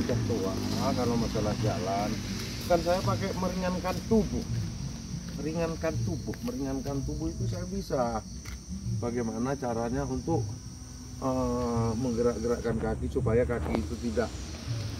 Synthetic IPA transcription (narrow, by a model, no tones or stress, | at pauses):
t͡ʃaʔ̚t̪oaakalomasalahd͡ʒa̰lan | kans̬ajapakeməɾiŋankant̪ubʊh | məɾiŋankant̪ubʊhməɾiŋankant̪ubʊhit̪us̬ajabisa | baɡajmanat͡ʃaɾaɲaunt̪ʊk̚ | əməŋɡəɾaʔɡəɾaʔkankakisupajakakiːt̪ut̪idaʔ